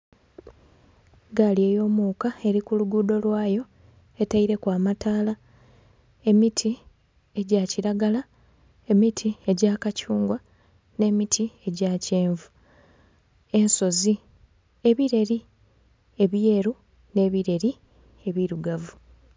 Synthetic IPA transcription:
ɡalie̞ːjo̞ːmuːkae̞ɾikuluɡuːdo̞lwaːjo̞ | e̞taiɾe̞kwaːmataːla | e̞mitʰi | e̞ɟaciɾaɡala | e̞mitʰie̞ɟaːkacuːŋɡwa | ne̞ːmitʰie̞ɟaːceːɱvu | e̞nso̞zi | e̞βiɾe̞ɾi | e̞βje̞ːɾu | ne̞ːβiɾe̞ɾi | e̞βiɾuɡavu

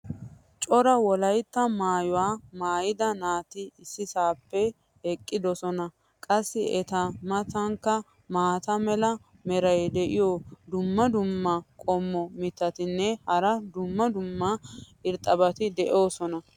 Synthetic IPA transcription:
t͡ʃʼɔɾɐwɔlɐjt̪ːɐmaːjʊwaːmaːjɪd̪ɐnaːt̪ɪɪsːɪsaːpːɛ | ɛkʼːɪd̪ɔsɔnɐ | kʼɐsːɪʔɛt̪ɐmɐt̪ɐŋkːɐ | maːt̪ɐmɛlɐ | mɛɾɐjd̪ɛʔɪjod̪ʊmːɐd̪ʊmːɐkʼɔmːɔmɪt̪ːɐt̪ɪnːɛhɐɾɐd̪ʊmːɐd̪ʊmːɐ | ɪɾt̪ʼːɐbɐt̪ɪd̪ɛʔo̞ːsɔnɐ

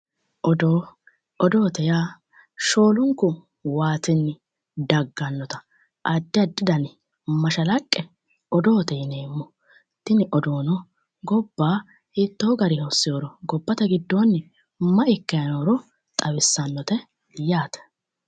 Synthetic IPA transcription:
ʔɔd̪oː | ʔɔd̪o̞ːt̪ɛjaː | ʃo̞ːlʊŋkːʊ | waːt̪ɪnːɪ | d̪ɐɡːɐnːɔt̪ɐ̥ | ʔɐd̪ːɪɐd̪ːɪd̪ɐn | mɐʃɐlɐkʼːɛ | ɔd̪o̞ːt̪ɛjɪneːmːɔ | t̪ːɪnɪʔɔd̪o̞ːnɔ | ɡɔb̥ːaː | hit̪ːoːɡɐɾɪhosːɪjoːɾɔɡɔbːɐt̪ɐɡɪd̪ːoːnːɪ | mɐʔɪkːɐjɐnoɾɔ | t̪ʼɐwɪsːɐnːɔt̪ɛ | jaːt̪ɛ̥

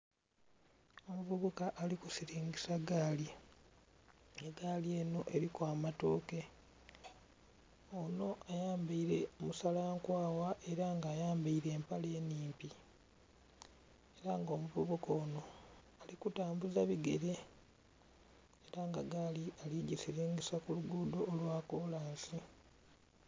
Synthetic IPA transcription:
o̞muvuβukaʔːlikusiɾiːŋɡisaɡaːli | eɡaːlie̞ːno̞ʔe̞ɾikwaːmatoːke̞ | ono̞ajaːmbaiɾe̞omusalaːŋkwaːwaʔe̞ɾaŋɡaːjaːmbaiɾe̞ːmpale̞ːniːmpi | eɾaŋɡo̞ːmuβuβukoːno̞ | alikutaːmbuzaβiɡe̞ɾe̞ | eɾaŋɡaɡaːlialiɟisiɾeːŋɡesakuluɡuːdo̞ːlwaːkolaːnsi

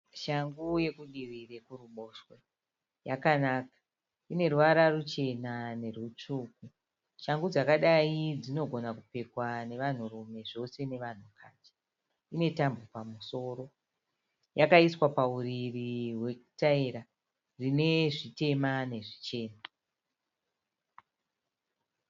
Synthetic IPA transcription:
ʃaŋɡuje̞kuɗirire̞kuruɓoʃwe | jakanaːkḁ | ine̞ruʋaɾarut͡ʃe̞nane̞rwut͡ʂuːk̚u | ʃaŋɡud͡zakaɗaid͡zino̞ɡʱo̞nakupe̞kwane̞ʋan̤urume̞ʐo̞se̞ne̞ʋan̤ukʰad͡ʒe | ine̞tambupamuso̞ɾo̞ | jakaiswapauririwe̞ku̥taiɾa | rine̞ʐite̞mane̞ʐit͡ʃe̞ːna

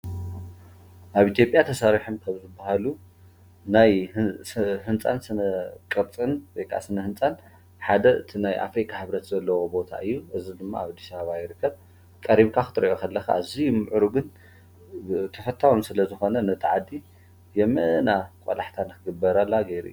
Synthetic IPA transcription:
ʔaβit̪ʰjo̞pʼjat̪ʰɐsaɾiħumkʰɐβzɨbːahalu | naj | hɨnt͡sʼansɨnɐkʼɨɾt͡sʼɨnwɔjkʰa̰sɨnɐhɨnt͡sʼan | ħad̪ɐʔɨt̪ʰinajʔa̰fɾikʼʰːaħɨβɾɐt̪zɐlːɐwobo̞t̪ʰa̰ʔɨjːuʔɨzid̪ɨmːa̰aβad̪ːi̥saβaβajɪɾɨkʰːɐβ | kʼɐɾiβkʰaxɨt̪ʼɾɐʔokʰɐlːɐxa̰ːzimɨʕɾuɡɨn | t̪ʰɐfɐt̪ʰːawumsɨlɐzɨxo̞nɐnɐt̪ʰɨʕad̪ːi | jɛmɐ̰ʔnakʷʼo̰laħt̪ʰanɨkʰɨɡɨbːɐɾalːaɡejɾḭjːu

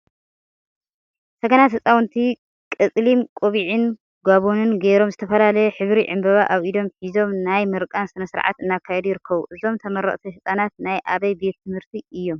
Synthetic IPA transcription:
sɐɡɐnat̪hɨt͡sʼawnt̪ʰi | kʼɨt͡sʼlimkʼoβiʕin | ɡaβonɨnɡeɾo̞mzɨt̪ʰɐfɐlalɐjħɨβɾiʕɨ̰mbɐβaʔaβʔid̪o̞mħizo̞mnajmɨɾkʼansɨnɐsɨɾʕa̰t̪ɨnːakʰːajɛd̪ujɪɾɨkʰːɐβuʔɨzo̞mt̪ʰɐmɐɾɐ̰χʼt̪ʰihɨsʼanat̪̚najʔaβɐjbe̞t̪ːʰɨmhɨɾt̪ʰiɨjːo̞m

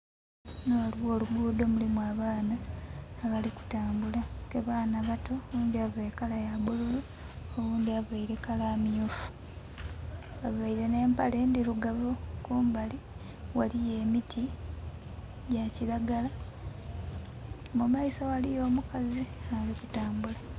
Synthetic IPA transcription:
nolwo̞ːluɡuːdomulimuaːβaːnaː | βaliku̥taːmbulakeβaːnaβatʰo̞ːβuːndiaβeekalajabululu | oβuːndiaβaiɾe̞kalaːmiofu̥ | βaβaiɾe̞ne̞ːmpale̞ndiluɡaβokuːmbali | walije̞ːmitʰi | ɟacilaɡala | omumaisawalijo̞ːmukaziaaliku̥taːmbula

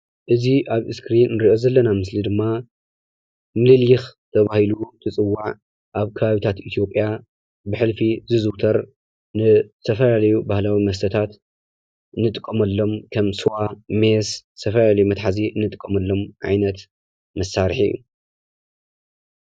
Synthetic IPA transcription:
ʔɨziʔaβɨskɾinːɨɾiʔo̞zɐlːɐnamɨslid̪ɨmːa | mɨlɨljɪxt̪ʰɐβahilut̪ʰɨt͡sʼɨwːaʕ | ʔaβkʰɐβaβit̪ʰat̪ʔit̪ʰjo̞pʼːja | bɨħɨlfizɨzɨwt̪ʰɐɾ | nɨt̪ʰɐfɐlalɐjubahlawimɐst̪ʰɐt̪ʰat̪ | ɨnːɨt̪ʼɨkʼːɐmɐlːo̞mkʰɐmsuwamesɨt̪ʰɐfɐlalɐjumɐt̪ħaziɨnːɨt̪ʼɨkʼɐmɐlːo̞mʕa̰jnɐt̪ | mɐsːaɾħḭjːṵ

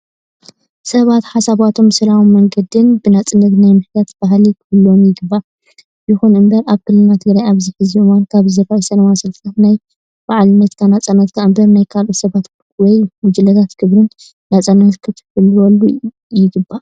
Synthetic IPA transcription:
sɐβat̪ħasaβat̪ʰo̞msɨlawumːɐŋɡɐd̪ɨnbɨnat͡sʼɨnːɐt̪najmɨħd̪at̪b̥aɦlikʰɨfɨlːomjɪɡɨbːa | jɨxunɨmbɐɾaβkʰɨlːɨnat̪ʰɨɡɾajaβzɨħɨziuwankʰaβzɨɾaʔisɐnɐmasɨlt̪ʰat̪naj | baʕlɨnːɐt̪k̪ʰanat͡sʼanat̪kʰaʔmbɐnajkʰalʔusɐβat̪ | wɔjmʊd͡ʒɨlɐt̪ʰat̪kʰɨβɾɨnː | at͡sʼanat̪kʰɨt̪ʰɨfɨlːwɐlːu | jɪɡɨbːa

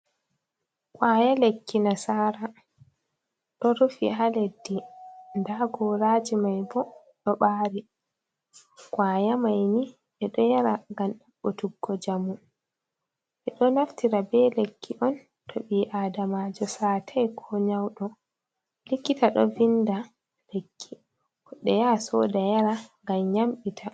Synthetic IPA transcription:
kwaːjalekːinasaːɾa | ɗɔɾufḭɦaledːindaɡɔɾaːd͡ʒimajbɔ | ɗɔɓaːɾi | kwaːjamajni | ɛɗɔjaɾaŋɡamɗaɓɔtuɡːɔd͡ʒamu | ʔɛɗɔnaftiɾabɛlekːiʔɔn | tʰoɓiːʔaːdamad͡ʒɔsaːtʰajkʰɔɲawɗɔ | likːitaɗɔ̰vinda | lekʰːi | ɔɗɛjasɔdajaɾaŋɡamɲamɓitʰa

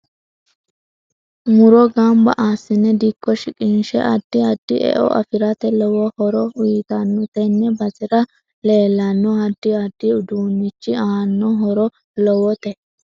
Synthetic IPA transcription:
mʊɾɔɡambɐ̰ʔaːsːɪnːɛd̪ikːɔʃɪkʼɪnʃɛ̰ʔɐd̪̥ːɪɐd̪ːɪʔɛ̰ʔɔ̰ʔɐ̰fɪɾɐt̪ɛlɔwɔhɔɾɔʊɪt̪ɐnːʊt̪ɛnːɛbɐzɪɾɐ | le̞ːlːɐnːɔɐd̪ːɪɐd̪ːɪʊd̪uːnːɪt͡ʃːɪaːnːɔɦɔɾɔ | lɔwɔt̪ɛ

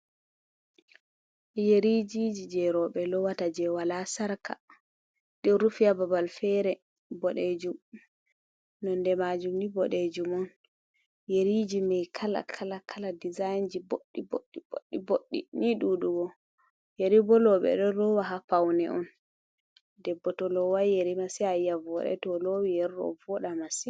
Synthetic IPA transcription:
jeɾid͡ʒid͡ʒid͡ʒɛɾɔɓɛlɔwatad͡ʒɛwalasaɾkʰa̰ | ɗiɾufijababalfɛɾɛ | bɔɗed͡ʒum | nɔndɛmad͡ʒumnibɔɗed͡ʒumɔn | jeɾid͡ʒimɛjkʰala̰kʰalakʰaladizajnd͡ʒiboɗːiboɗːiboɗːiboɗːḭniɗuɗuɡɔ | jeɾibɔlɔɓɛ̰ɗɔɗɔwaɦapawnɛ̰ʔɔn | dɛbːɔtɔlɔwaeɾimasiajavɔɗɛ̰tɔlowijɛɾɗɔ̰vɔɗamasi

